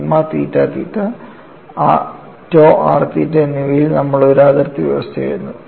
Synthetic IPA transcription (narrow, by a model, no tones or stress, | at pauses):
mːaːt̪ḭːtːaːt̪ḭːtːa | a | tːoːʔa̰ːrt̪iːtːɐnːiʋɐjilnɐmːɐɭoɾaːðɐrt̪ːiʋjḭʋɐst̪ʰɐja̰jɾunːu